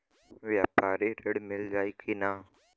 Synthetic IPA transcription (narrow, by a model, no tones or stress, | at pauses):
ʋjaːpaːɾeɾəɽmɪld͡ʒaːiːkʰiːnaː